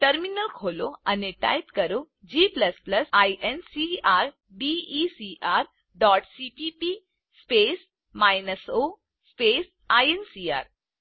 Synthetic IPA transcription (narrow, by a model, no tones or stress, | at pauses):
ʈəɾminəlkʰoːloɐneʈa̰ːjpkɐɾo | d͡ʑiːplɐsplɐsaːjʔensiaːɾ | ɖiisiʔaːɾ | ɖɔːʈsipipi | speːs | maːjnəsoː | speːs | aːjensia̰ːɾ